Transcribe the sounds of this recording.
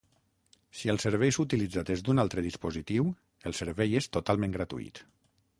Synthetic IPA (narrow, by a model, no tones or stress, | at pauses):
siəlˠseɾβɛjsut̪ilid͡zat̪ezd̪unalˠt̪ɾəðispozit̪iw | əlˠseɾβɛjest̪ot̪alˠmẽŋɡɾat̪ṵḭt̪